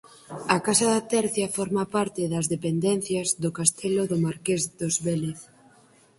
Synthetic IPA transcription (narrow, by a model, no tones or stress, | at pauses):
ɐkasɐðat̪ɛɾθjɐfɔɾmapaɾt̪ɪðɐzðepend̪ɛn̟θjɐzðʊkast̪ʰeloðʊmaɾkezðozβeleθ